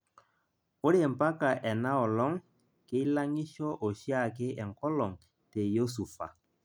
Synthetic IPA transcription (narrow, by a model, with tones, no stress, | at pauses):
o˦ɾe˦ɛ˨m̩˨pa˦ka˨ʔɛ˨na˦ɔ˨lɔ˦ŋ | kɪ˦la˦ŋi˦ʃɔ˦ʔɔ˨ʃi˦a˦˨kɪ˦ʔɛ˨ŋ̩˨kɔ˦lɔ˨ŋ | te˨jo˦su˨fa̰˨